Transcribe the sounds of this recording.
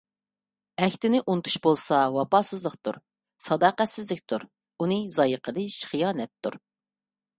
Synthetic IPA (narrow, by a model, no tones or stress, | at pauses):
ɛkʲt̪ɪnɪʔunɨt̪ʰu̥ʃbolˠsɑwɑpɑːsɨzlˠəqt̪ṵɾ | sɑd̪ɑːqɛsɪzlɪkʲt̪ʰuɾ | unɨzɑjəqʰəd̪ɨʃχijɑːnɛt̪ːuɾ